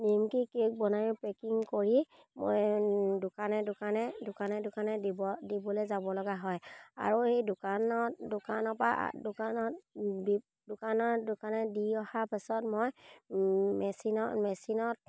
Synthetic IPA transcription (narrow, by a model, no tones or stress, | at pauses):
nimkikik̚bɔnaɹipɹekiŋkoɹi | mo̰jdʊkanɛdʊkanɛdʊkanɛdʊkanɛdibɔdibɔlezabɔlɔɡaɦɔja̰ɹuhejdʊkanɔdʊkanɔpa̰dʊkanɔ | dʊkanɔdʊkanɛdiɔhapɛsɔtmoj | mɛsinɔmɛsinɔt̚